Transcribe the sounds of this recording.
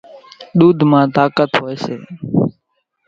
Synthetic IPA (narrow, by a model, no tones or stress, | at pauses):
ɗ̪uːd̪ʱmãːt̪aːkət̪ɦoːeːsḛː